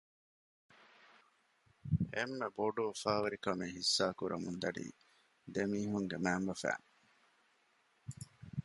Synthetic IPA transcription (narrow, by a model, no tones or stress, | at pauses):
emːeboɖuʋɐfaːʋɐɾikɐmeːɦisːaːkuɾʔɐ̰mund̪ɐɖḭː | d̪emiːɦuŋɡemæːmbɐfæ̰ːŋ